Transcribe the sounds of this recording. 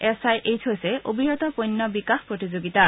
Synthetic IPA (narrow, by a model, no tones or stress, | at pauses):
ɛsajʔejtʰɦojsɛʔobiɹɔt̪ɔpojnːɔbikaxpɹot̪izoɡit̪a